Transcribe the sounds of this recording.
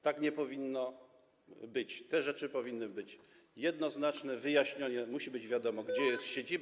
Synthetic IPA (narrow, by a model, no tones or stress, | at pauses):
t̪akɲɛpɔvʲinːɔ | bɘt͡ɕt̪ɛʐɛt͡ʂɘpɔvʲinːɘbɘt͡ɕ | jɛd̪nɔznat͡ʂnɛvɘjaɕɲɔɲɛmuɕibɘd͡ʑvʲjad̪ɔmɔɡd͡ʑɛjɛst̪ɕed͡ʑib